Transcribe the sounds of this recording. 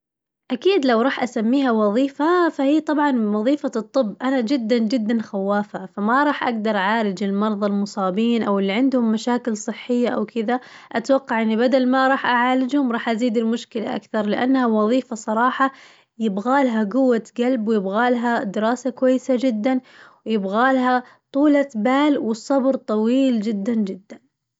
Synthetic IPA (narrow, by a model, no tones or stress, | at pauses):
ʔakiːd̪lawɾˤɑːħʔasamːiːɦawɑðˤiːfafahiːt̪ˤɑbʕɑnwɑðˤiːfat̪ˤːɨbːʔanad͡ʒɪd̪ːand͡ʒɪd̪ːanxawːaːfafamaɾˤɑːħʔa̰ɡd̪ɑɾˤʔʕaːlɪd͡ʒɪlmɑɾˤðˤɑlmʊsˤɑːbiːnʔawɪlːiʕɪnd̪hʊmːaʃaːkɪlsˤɨħːɪjːaʔawkɪðaʔat̪wɑqːɑʕʔɪnːibad̪almaɾˤɑːħʔaʕaːlɪd͡ʒhʊmɾˤɑːħʔaziːd̪ɪlmʊʃkɪla̰ʔa̰kθɑɾˤlɪʔa̰nːhawɑðˤiːfasˤɑɾˤɑːħɑ | jɪbɣaːlɦaɡʊwːat̪ɡalbwɪjɪbɣaːlɦad̪ɪɾɑːsakwajːɪsad͡ʒɪd̪ːanwɪjɪbɣaːlɦa | t̪ˤuːlabaːlwɪsˤːɑbɾt̪ˤɑwiːld͡ʒɪd̪ːand͡ʒɪd̪ːan